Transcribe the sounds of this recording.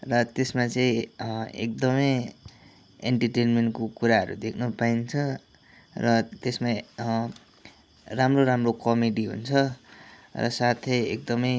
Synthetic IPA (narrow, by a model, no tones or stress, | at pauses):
rʌt̪esmat͡sʌĩḛk̚d̪ʌmʌj | ḛɳʈʌʈenmeɳʈkokuɾaɦʌ̰ɾṵd̪ekʰnupaint͡sʰʌ | rʌt̪esma | ramroɾamrokʌmeɖiɦṵnt͡sʰʌ | rʌ̰sat̪ʰʌjek̚d̪ʌmʌj